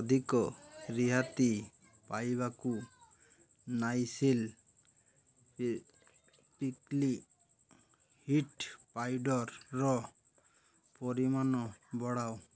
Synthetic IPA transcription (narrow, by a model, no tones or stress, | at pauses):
ɔd̪ʱikɔɾiɦat̪i | pajβaku | najsil | pikli | hiʈpajɖɔɾːɔ | pɔɾimanɔbɔɽaw